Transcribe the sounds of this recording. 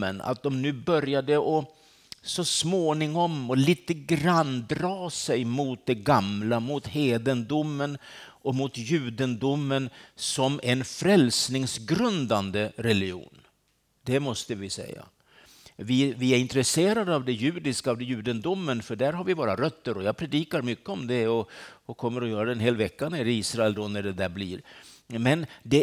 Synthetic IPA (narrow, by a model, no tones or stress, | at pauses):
ə̰na̰t̪̚d̪ɔmnʉ̟ːbœɾjad̪əʔɔ | sɔsmoːnɪŋɔmɔliːt̪əɡɾand̪ɾɑːsɛjmʊt̪̚d̪ɛɡamlamʊt̪heːd̪ənd̪ʊmːənɔmʊt̪jʉ̟ːd̪ənd̪ʊmːənsɔmɛnfɾɛlsnɪŋsɡɾɵnd̪and̪əɾɛlɪṵːn | d̪ɛmɔst̪əvɪsɛ̰jːa̰ | vɪvɪæɾɪnt̪ɾɛseːɾad̪əavd̪ɛjʉ̟ːd̪ɪskaːvd̪ɛjʉ̟ːd̪ənd̪ʊmːənfœɖæɾɦaɾvɪvoːɾaɾœt̪ːəɾɔjaːɡ̚pʰɾɛd̪iːkaɾmʏkːəɔmd̪ɛɔɔkʰɔmːəɾɔjœːɾad̪ɛnɦeːlvɛkːanæɾiːsɾaɛld̪ɔnæɖɛd̪æɾblḭːɾmɛnd̪ɛ